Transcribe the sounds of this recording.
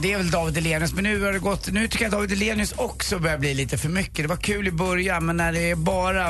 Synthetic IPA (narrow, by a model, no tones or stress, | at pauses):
d̪ɛæɾvɛld̪ɑːvɪd̪ɪleːnɪəsmɛnːʉ̟ːhaɾɖɛɡɔt̪ːnʉ̟ːt̪ʏkːəat̪d̪ɑːvɪd̪ɪleːnɪɵsɔksɔbœːɾjabliːliːt̪əfœɾmʏkːəd̪ɛvaɾkʰʉ̟ːlɪbœɾjanmɛnːæɖɛːɾbɑːɾa